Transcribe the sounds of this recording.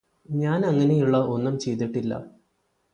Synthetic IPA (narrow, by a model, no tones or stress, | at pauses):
ɲaːnɐŋːɐne̞juɭːɐʔo̞nːɐmt͡ɕe̞jt̪iʈːilːɐ̰